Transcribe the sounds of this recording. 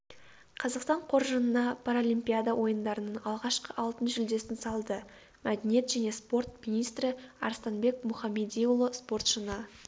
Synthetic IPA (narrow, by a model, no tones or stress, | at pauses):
qʰɑzɑqst̪ɑɴqʰo̞ɾʒənənɑpʰaɾolʲimpʲijad̪awʔo̞jənd̪ɑɾənənɑlˠʁɑʃqəʔɑlˠt̪ənʒʏld̪e̞sɪnsɑlˠd̪ə | mæd̪enije̞t̪ʒæne̞spo̞rt̪minijst̪ɾɪɑ̰ɾst̪ɑnbe̞kmʊχɑmed̪ijulˠospo̞rt̪ʃənə